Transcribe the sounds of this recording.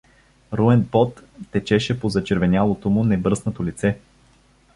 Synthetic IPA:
ɾuɛnpɔt̪ːɛt͡ʃɛʃɛpozɐt͡ʃɛɾvɛnʲalˠot̪omʊnɛbɾɤsnɐt̪olit̪sɛ

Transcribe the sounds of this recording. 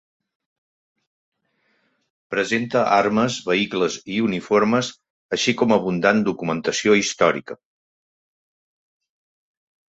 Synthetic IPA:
pɾəzent̪əʔarməzβəikləziunifoɾməz | əʃikɔməβ̞und̪and̪ukumənt̪əsioist̪ɔɾḭkə

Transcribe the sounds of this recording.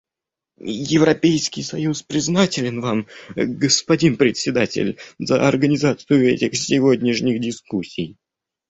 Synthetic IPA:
jɪvɾɐpʲejskʲɪjsɐjuspɾʲɪznatʲɪlʲɪnvamɡəspɐdʲinpɾʲɪt̪sʲɪd̪atʲɪ̰lʲzəɐrɡənʲɪzat̪sɨjʊɛ̰tʲɪxsʲɪvodʲnʲɪʂnʲɪxdʲɪskusʲːij

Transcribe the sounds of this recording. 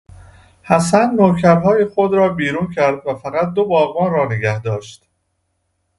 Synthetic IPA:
hæsænːoːcʰæɾɦɒːjexo̞d̪ɾɒːbiːɾuːncʰæɾd̪̚væfæɣæt̪̚d̪o̞bɒːɣbɒːnrɒːneɡæhd̪ɒːʃt̪

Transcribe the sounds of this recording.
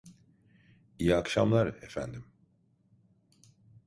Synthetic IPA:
ijiakʃamlˠaɾe̞fæ̰nd̪im

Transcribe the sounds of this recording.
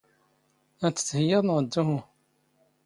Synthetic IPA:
æt͡sːə̥t͡sːhəjəðˤnʁəd̪ːuɦu

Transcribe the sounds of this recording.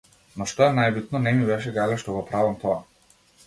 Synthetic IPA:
nɔʃt̪ɔɛnajbit̪nɔnɛmibɛʃɛɡalɛʃt̪ɔɡɔpɾavamt̪ɔa

